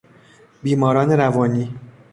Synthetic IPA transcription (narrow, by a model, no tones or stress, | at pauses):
biːmɒːɾɒːneɾævɒːniː